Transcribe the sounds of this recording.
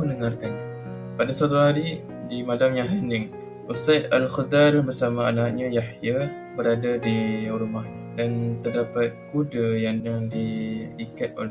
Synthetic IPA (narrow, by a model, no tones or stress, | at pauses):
ənəŋarkan | padasat̪̬uɦaɾi | dimadamjaɦanɪŋ | ʔusajt̪alxəd̪arbərsamaːnak̚ɲajahja | bəɾadadiuɾumah | dant̪ərdapat̪̚kudajaŋaŋdiikat̪̚o̰lɛ